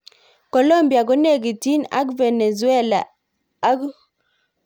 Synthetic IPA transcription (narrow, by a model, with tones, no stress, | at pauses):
ko˨lo˦mbja˨ɡɔ˦ne˦˨ɡi˨ti˦na̰˦kvɛ˨nɛ˨zu˨˦ɛ˦la˨˦ | k